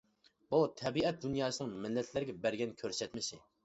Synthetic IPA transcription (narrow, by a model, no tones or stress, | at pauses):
but̪ʰɛbiɛt̪̚d̪unjɑːsɨnɨŋmɪlːɛt̪ʰlæɾɪɡʲɛbæɾɡʲɛnkʲʰøɾsɛt̪mɪʃɪ